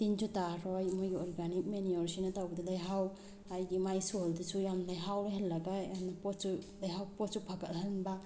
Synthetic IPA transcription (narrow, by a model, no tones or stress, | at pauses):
tind͡ʒutaɾɔjmɔjɡiɔɾɡanik̚menijɔɾsinɐtawɡɐdilajɦaw | ajɡimajsoldisujamlajɦawlɦelːɐɡajanapɔt̚sulajɦawpɔt̚supʰakɐlɦanba